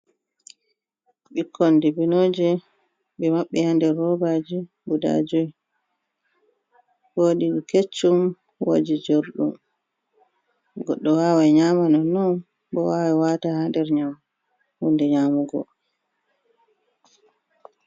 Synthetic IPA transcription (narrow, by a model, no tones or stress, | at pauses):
ɓikʰːɔndibinod͡ʒi | bɛmaɓːɛhandɛɾːɔbad͡ʒi | buda̰d͡ʒɔj | woɗiɗɛket͡ʃːum | wo̰d͡ʒid͡ʒoɾɗum | ɡɔɗːɔwaːwaɲaːmanɔnɔn | bɔwawɛwaːtahandɛɾɲam | hundɛɲaːmuɡɔ̰